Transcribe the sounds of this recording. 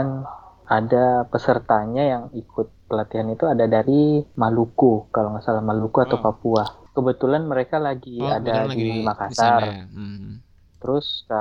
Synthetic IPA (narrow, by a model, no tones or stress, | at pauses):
nadapəsərt̪aɲajaŋikʊt̪̚pəlat̪iɦanit̪uadadaɾimalukukalomasalamalukuat̪awpapuakəbət̪ulanməɾekalaɡiadadiimakasar | t̪əɾʊsk